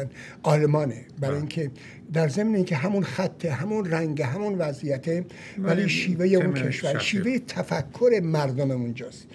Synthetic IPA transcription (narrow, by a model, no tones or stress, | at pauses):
n | ʔɒːlemɒːnebæɾɑiŋkʰe | d̪æɾze̞mneiːŋkʲʰeɦæmunxæt̪ʰːeɦæmunræŋɡeɦæmunvæzijæt̪ʰe | væliːʃiːvejeunkʰe̞ʃvæɾʃiːvejet̪ʰæfækʰːoɾe̞mæɾd̪omeund͡ʒɒːst̪